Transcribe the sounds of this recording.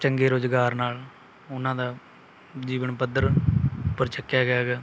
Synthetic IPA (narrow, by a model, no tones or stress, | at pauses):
t͡ʃəŋɡeːɾoːd͡ʒɡaːɾnaːl | ʊnːãːd̪aː | d͡ʒiːʋənpəd̪əɾʊpːəɾt͡ʃəkːjaːɡɪjaːɡɛː